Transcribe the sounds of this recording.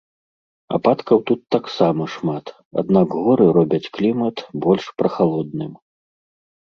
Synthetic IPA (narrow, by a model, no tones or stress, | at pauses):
a̰pat̪kɐwt̪ut̪ːaksamɐʂmat̪ | a̰d̪nakɣɔɾɨɾɔbʲɐt͡sʲklʲimɐt̪bɔlʲʂpɾɐxalˠɔd̪̚nɨm